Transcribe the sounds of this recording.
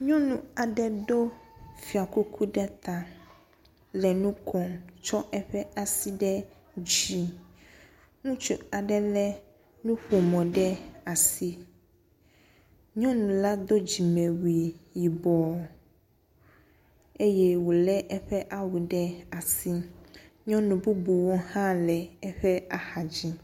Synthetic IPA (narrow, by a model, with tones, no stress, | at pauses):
ɲɔ̃˦nũ˨a˨ɖɛ˦do˦fi˨a˨ku˦kʰu˦ɖɛ˦t̪a˨ | lɛ˨nũ˦kʰɔ˨mt͡ʃɔ˦ʔɛ˦ɸɛ˦a˨si˦ɖɛ˦ | d͡ʑi˨ | ŋũ˦t͡ʃu˦a˨ɖɛ˦lɛ˦ | nũ˦ɸo˨mɔ̃˨ɖɛ˦a˨si˦ | ɲɔ̃˦nũ˨la˦d̪o˦d͡ʑi˨mɛ̃˨wi˨ji˨bɔ˨ | e˦jɛ˦wo˨lɛ˦ʔɛ˦ɸɛ˦ʔa˦wu˨ɖɛ˦a˨si˦ | ɲɔ̃˦nũ˨bu˦bu˨wo˦hã˦lɛ˨ɛ˦ɸɛ˦a˨ha˨d͡ʑi˦